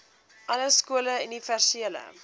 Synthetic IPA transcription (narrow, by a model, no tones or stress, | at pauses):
ʔɐləskuələynifærsiələ̰